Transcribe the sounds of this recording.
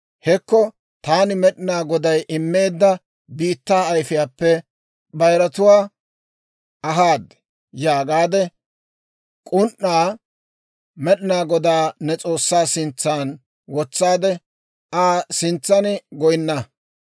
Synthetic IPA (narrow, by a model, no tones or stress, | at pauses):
hɛkːɔ | t̪aːnɪmɛɗɪnaːɡɔd̪ɐjʔɪmːe̞ːd̪ːɐ | biːt̪ːaːjfɪjaːpːɛ | bɐjɾɐt̪ʊwaː | ɐɦaːd̪ɛ | jaːɡaːd̪ɛ | kʼʊnʔːaː | mɛɗɪnaːɡɔd̪aːnɛt͡sʼo̞ːsːaːsɪnt͡sːaːn | wɔt͡sːaːd̪ɛ | aːsɪnt͡sːɐnɪɡɔjɪnːɐ